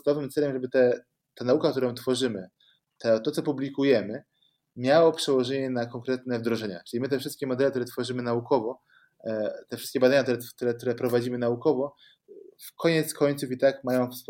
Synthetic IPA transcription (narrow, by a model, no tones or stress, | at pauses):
nɔvɘmt̪sɛlɛmʐɛbɘt̪ɛ | t̪anaukak̚t̪uɾɔ̃t̪fɔʐɘmɘ | t̪ɛt̪ɔt̪sɔpublʲikujɛmɘ | mʲjawɔpʂɛwɔʐɛɲɛnakɔŋkɾɛt̪nɛvd̪ɾɔʐɛɲa̰t͡ʂɘlʲimɘt̪̬ɛfʂɘst̪̚kʲɛmɔd̪ɛlɛkt̪uɾɛt̪fɔʐɘmɘnaukɔvɔ | t̪ɛfʂɘst̪kʲɛbad̪aɲakt̪uɾɛt̪uɾɛk̚t̪uɾɛpɾɔvad͡ʑimɘnaukɔvɔ | fkʰɔɲɛt̪skʰɔɲʲt̪sufit̪akmajɔ̃w̃fs